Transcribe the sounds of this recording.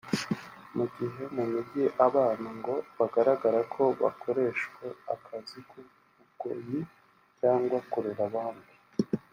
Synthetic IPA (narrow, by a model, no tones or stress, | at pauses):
muɟiɦe̞mumiɟiʔaβaːnaŋɡo̞βaɡaɾaɡaɾakʰo̞βa̰kʰo̞ɾe̞ʃwe̞a̰kʰaziku | uɡoji | caːŋɡwakoɾeɾaβaːnbi